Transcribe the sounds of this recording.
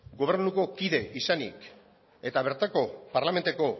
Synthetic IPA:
ɡo̞β̞e̞ɾnuko̞kiðe̞ʔisanḭk | e̞t̪aβ̞e̞ɾt̪ako̞paɾlame̞nt̪eko

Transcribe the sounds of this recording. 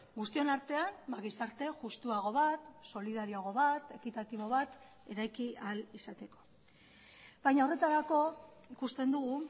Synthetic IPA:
ɡust̪io̞naɾt̪e̞anmaɣisaɾt̪e̞ʝust̪uaɣ̞o̞βat̪so̞liðaɾioaɣ̞o̞βat̪e̞kit̪at̪iβo̞βat̪ | e̞ɾajkialisat̪e̞ko | βajɲaore̞t̪aɾako̞ikust̪e̞nd̪uɣ̞u

